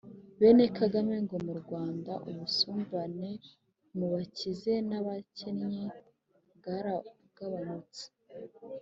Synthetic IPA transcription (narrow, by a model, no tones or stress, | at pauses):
βene̞kaɡame̞ŋɡo̞muɾɡwaːndaʔuβusuːmbane̞ | muβacize̞naβacenɲi | ɡaɾa | ɡ̥aβanut͡se̥